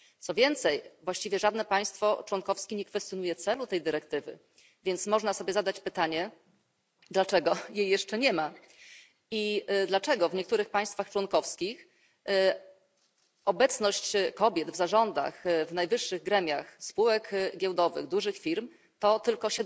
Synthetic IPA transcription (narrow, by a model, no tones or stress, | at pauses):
t̪sɔvʲjɛnt̪sɛjvwaɕt͡ɕivʲjɛʐad̪nɛpaj̃st̪fɔt͡ʂwɔnkɔfskʲiɲɛkfɛst̪ʲjɔnujɛt̪sɛlut̪ɛjd̪ɘɾɛkt̪ɘvɘ̰ | vʲjɛnt̪smɔʐnasɔbʲjɛzad̪at͡ɕpɘt̪aɲɛ | d̪lat͡ʂɛɡɔjejːɛʂt͡ʂɛɲɛma | id̪lat͡ʂɛɡɔvɲɛkt̪uɾɘxpaj̃st̪faxt͡ʂwɔnkɔfskʲix | ʔɔbɛt̪snɔɕt͡ɕkɔbʲjɛd̪vzaʐɔnd̪a̰xvnajvɘʂːɘɣɡɾɛmʲjaxspuwɛkɡʲɛwd̪ɔvɘ̰ɣd̪uʐɘxfʲiɾm | t̪ɔt̪ɘlkɔɕɛ